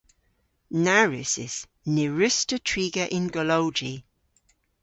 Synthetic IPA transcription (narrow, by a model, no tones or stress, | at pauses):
naɹɪsɪ̰z̥ | nɪɹɪstətʰɹ̥iːɡəʔɪ̃nɡəlowd͡ʒi